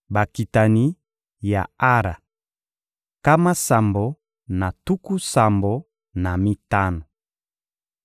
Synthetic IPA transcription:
ba˨ki˨ta˨ni˦ | ja̰˨a˦ɾa̰˨ | ka˦ma˦sa˨mbo˨ | na˨tu˦ku˦sa˨mbo˨ | na˨mi˦ta˦no˨

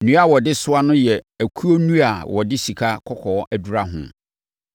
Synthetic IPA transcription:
nũ˦a˦˨wɔ˨dɪ˦sʊ˦a˦nʊ̃˦jɛ˨æ˨kʰu˦o˦nũ˦a˨wʔɔ˨dɪ˦si˨kʰa˦kʰɔ˦kʰɔː˨˦ʔæ˦du˨ɾa˦ɦʊ̰̃˦

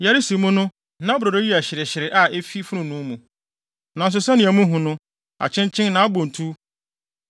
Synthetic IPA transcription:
ja˨ɾɪ˦si˨mʊ̃˦nʊ̃˦ | nã˦bʊ˨ɾo˨ɾo˦ji˦æ˨ɕɪ˨ɾɪ˨ɕɪ˨ɾɪ˨ʔa˦e˦fi˦fʊ˦ʊ̃˨nʊ̃˦mũ˨ | nã˨n̩˨s̬ʊ˨sɛ˦nɪ̃˨æ˨mũ˦ɦũ˨nʊ̃˦ | a̰˨t͡ɕʰɪ̃˦nt͡ɕʰɪ̃˦nnã˨˦a˦bõ˨n˨tʰu˦

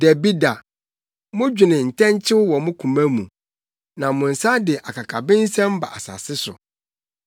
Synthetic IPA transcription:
dɛ˨bi˦da˨ | mʊ̃˦d͡ʑᶣɪ˨nɪ̃˨n̩˨tʰɛ̃˦ɲ˦t͡ɕʰɪ˦wwɔ˨mʊ̃˦kʰũ˨mæ̃˦mṵ̃˨ | nã˨mʊ̃˨n̩˨sa˦dɪ˨ʔa˨kʰa˨kʰa˨bɪ̃˦n̩˦sɛ̃˦m̩˦ba̰˨ʔa˨sa̰˨sɪ˦sʊ̰˨

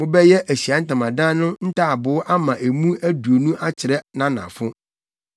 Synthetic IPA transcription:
mʊ̃˦bɛ˦jɛ˦ʔæ˨ɕi˨a˨˦n̩˦tã˨mã˨dãː˦nʊ̃˦n̩˦tʰa˦˨a˨bʊ˨˦ʔa˦mã˨ʔe˨mũ˦æ˦du˨o˨nũ˦ʔa˦t͡ɕʰɪ˨ɾɛ˦nã˨nã̰˨fʊ˦

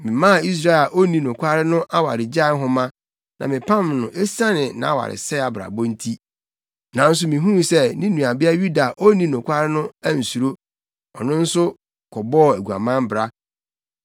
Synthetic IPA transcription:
mɪ̃˨mã˦˨i˦s̬ɾa˦˨la˨ʔo˦nĩ˨nʊ̃˨kʷa˦ɾɪ˦nʊ̃˦ʔa˦wa̰˨ɾɪ˨d͡ʑa˦ɦʊ̃˦mã˦ | nʔã˨mɪ̃˨pʰã˦˨mnʊ̃˨ʔe˦sã˦nɪ̃˨nã̰˨a˦˨wa̰˨ɾɪ̰˨sɛ˦a˨bɾa̰˨bɔ˦n̩˦tʰi˦ | nã˨n̩˦s̬ʊ˦mĩ˨ɦũ˦˨sɛ˦nɪ̃˦nũ˨a˨bɪ˦a˦ɥu˦da˨ʔo˦nĩ˦nʊ̃˨kʷʰa˦ɾɪ˦nʊ̃˦æ˦n̩˨su˨ɾo˦ | ɔ˨nʊ̃˦n̩˦sʊ˦ | kʰɔ˨bɔ˦˨æ˨ɡu˨a̰˨mã˦m˦bɾa˦

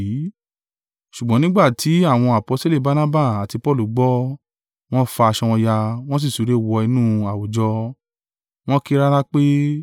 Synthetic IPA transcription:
i˨˦ | ʃu˨ɡ͡bɔ̃˨˦nĩ˦ɡ͡ba˦˨tʰi˨˦a˦˨w̃ɔ̃˧a˨po˨˧˦se˦le˦˨ba˨˧na˦ba˦˨a˨ti˧pɔ˦˨lu˨˦ɡ͡bɔ˦ | w̃ɔ̃˦fa˧a˧ʃɔ̃˧ɔ̃˧ja˧w̃ɔ̃˦s̬i˦˨su˨˦ɾe˦wɔ˧i˧nũ˦˨a˨wo˨d͡ʒɔ˧ | w̃ɔ̃˦ki˧ɾa˦ɾa˦k͡pe˦

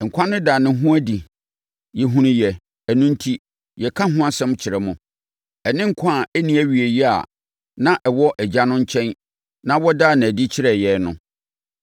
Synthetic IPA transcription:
ŋ̩˨kʷʰã˦nʊ̃˦daː˨nɪ̃˦ɦʊ̃˦æ˦di˨ | jɛ˨ɦũ˨nĩ˨jɛ˨ | æ˨nũ˦n̩˦tʰi˦ | jɛ˨kʰa˦ɦʊ̃˦a˦sɛ̃˦mt͡ɕʰɪ˨ɾɛ˦mʊ̃˨ | ɛ˨nɪ̃˦ŋ̩˨kʷʰɔ̃˦a˨æ˦nĩ˦æ˦ɥi˨e˨jɛ˦a̰˨ | nã˦ʔɛ˨wɔ˦ʔɛ˨d͡ʑa˦nʊ̃˦ɲ̩˦t͡ɕʰɛ̃˦n | nã˦wɔ˦daː˦˨nã˨æ˨di˦t͡ɕʰɪ˦ɾɛ˨jɛ˨nʊ̰̃˨˦

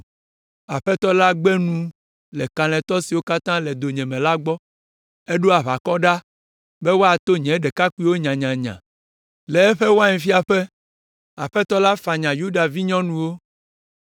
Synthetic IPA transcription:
a˨ɸɛ˦t̪ɔ˦la˦ɡ͡be˦nũ˨ | lɛ˨ka˨l̃ɛ̃˨t̪ɔ˦si˨wo˦ka˦t̪ã˦lɛ˨d̪o˨ɲɛ̃˨mɛ̃˨la˦ɡ͡bɔ˦ | e˦ɖo˦a˨βa˨kɔ˦ɖa˦ | be˦wo˦a˨t̪o˦ɲɛ̃˨˦ɖɛ˨ka˦ku˦i˦wo˦ɲã˨ɲã˨ɲã̰˨ | lɛ˨ɛ˦ɸɛ˦wo˦a˦ɲɛ̃˨fi˦a˨ɸe˦ | a˨ɸɛ˦t̪ɔ˦la˦fa˨ɲã˨ju˦ɖa˨vi˦ɲɔ̃˦nũ˨wo˦

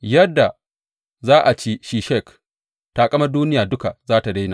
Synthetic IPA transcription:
jɐ˦dːa˨ | zaː˦ʔa˨t͡ʃeː˦ʃiː˨ʃɛ˦˨k | taː˨kʼɐ˦mɐ˦rduː˦nɪ˦jaː˨dʊ˦ka˨zaː˦ta˨da˦jnaː˨

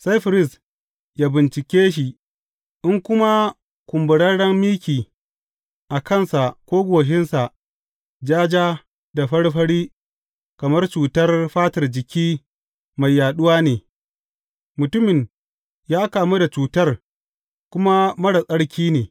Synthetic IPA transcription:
sa˦jɸɪ˨ɾɪ˦s | jaː˦bɪ˨nt͡ʃɪ˨kʲeː˦ʃ̬i˨ | ʔɪ˦ŋkʷʊ˦ma˦ | kʷʊ˨mbʊ˨ɽɐ˦ɽɐ˦mmiː˦kʲiː˨ | ʔa˨kɐ˦˨nsa˨kʷoː˦ɡʷoː˨ʃ̬ɪ˦nsa˨ʔ | d͡ʒaː˦d͡ʒaː˦ | da˨ɸɐ˦ɽɸɐ˦ɽiː˦ | kɐ˨mɐ˦rt͡ʃuː˨tɐ˦rɸaː˦tɐ˨rd͡ʒɪ˨kʲiː˦ | ma˨jːaː˨ɗʊ˦waː˦neː˨ | mʊ˨tʊ˦mɪ˨ɲ | jaː˦kaː˨mu˦da˨t͡ʃuː˨tɐ˦r | kʷʊ˦ma˦mɐ˦ɽa˨sʼɐ˦ɽkʲʰiː˦neː˨

